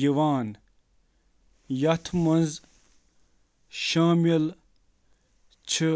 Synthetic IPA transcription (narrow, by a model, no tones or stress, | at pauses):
əwaːn | jat̪ʰmənz | ɕamjel | t͡ɕʰə